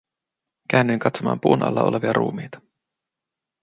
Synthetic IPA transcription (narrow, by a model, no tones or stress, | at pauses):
k̟æːnːyjŋkɑt̪somɑ̰ːmpuːnʔɑ̰lːɑ̰o̞leʋiɑɾʔṵːmiːt̪ɑ̥